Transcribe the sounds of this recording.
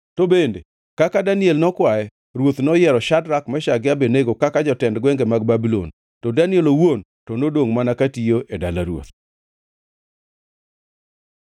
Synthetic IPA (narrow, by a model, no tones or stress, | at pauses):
tobendḛ | kakadanɪɛlnɔkwaɛ | ɾwot̪nɔjɛɾɔʃadɾakmɛʃaɡɪabeneɡokakad͡ʒɔtɛndɡwɛŋɡemaɡ̚babilo̰n | todanɪɛlowon | tonodoŋmanakatijoʔeda̰laɾwo̰t̪